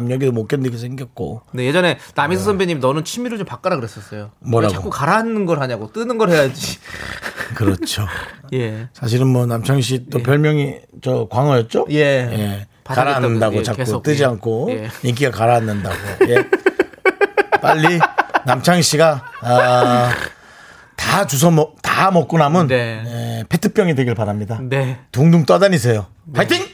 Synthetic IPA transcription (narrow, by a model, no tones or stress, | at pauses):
amɲʌɡidomok͈jʌndekʰes̬ʰeŋɡjʌt̚k͈o̰ne̞je̞d͡ʑʌne̞namisʰʌsʰʌmbeɲimnʌnɯnt͡ɕʰimiɾot͡ɕompak͈aɾaɡɯɾes͈ʌs͈ʌjomwʌɾɾaɡaok͈ukaɾaanɯnɡʌɭɦaɲaɡot͈ɯnɯnɡʌɾhejad͡ʑi | kɯɾʌt͡ɕʰojesʰaɕ̬ʰiɾɯnmwʌnamt͡ɕʰaŋɕ̬ʰit͈opjʌɭmjʌŋit͡ɕʌkwaŋʌjʌt̚t͡ɕ͈ojeje̞ | kaɾanːɯndaɡot͡ɕakk͈ot͈ɯd͡ʑiankʰoiŋk̬͈iɡakaɾaanːɯndaɡoje̞ | p͈aʎːinamt͡ɕʰaŋɕʰiɡa | tat͡ɕus̬ʰʌmtamʌk͈̚unamɯnepʰe̞tʰɯp͈jʌŋidwe̞ɡiɭpaɾamɲidatuŋduŋt͈ʌdaɲis̬ʰe̞jo | katʰɯŋ